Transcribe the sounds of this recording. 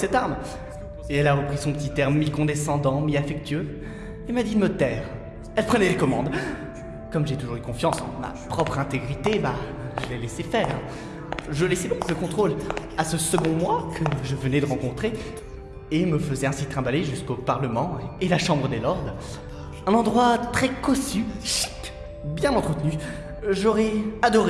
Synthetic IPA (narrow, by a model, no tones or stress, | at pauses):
sɛt̪aʁm | eɛlaʁəpχisɔ̃pət̪it̪ɛʁmikɔ̃d̪esɑ̃d̪ɑ̃miafɛk̚t̪ɥø | emad̪id̪mət̪ɛːʁ | ɛlpχənɛlekɔmɑ̃d̪ | kɔmʒet̪uʒuʁykɔ̃fjɑ̃sɑ̰̃ma̰pχɔpχɛ̃t̪eɡʁit̪eba | ʒəlɛlesefɛːʁ | ʒəlesed̪ɔ̃kləkɔ̃t̪χol | asəsəɡɔ̃mwakʰəʒəvənɛd̪əʁɑ̃kɔ̃t̪χe | eməfəzɛɛ̃sit̪χɛ̃baleʒyskopaʁləmɑ̃elaʃɑ̃bʁəd̪elɔʁd̪ʁ | ɛ̃nɑ̃d̪ʁwat̪χɛkɔsyʃi̥t | bjɛ̃mɑ̃t̪χət̪ny | ʒɔʁɛad̪ɔʁe